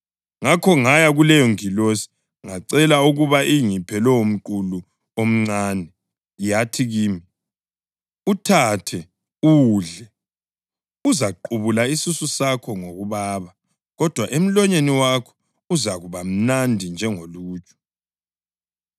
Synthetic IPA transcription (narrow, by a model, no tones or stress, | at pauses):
ŋakʰɔŋajaɣulɛjɔŋilosi̥ | ŋaǀɛlauɣuβaʔiŋipʰɛlɛum̩ǃulu | om̩ŋ͡ǀaːnɛ | jatʰiɣiːmi | utʰatʰɛ | uwɮɛ | uzaǃuβulaisususakʰɔŋoɣuβaːβa | ɣɔd̥ʱwaʔem̩lɔɲeniwakʰɔ̥ | uzaɣuβam̩nandʱind͡ʒʱɛŋoluːt͡ʃʼɔ̥